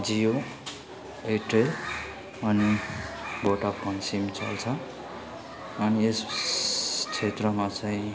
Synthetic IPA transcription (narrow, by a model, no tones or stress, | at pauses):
d͡zijo | eʈel | ʌni | boʈapʌnsimt͡sʌ̰lt͡sʰʌ | ʌnies | t͡sʰet̪rʌmat͡sʌ̃ĩ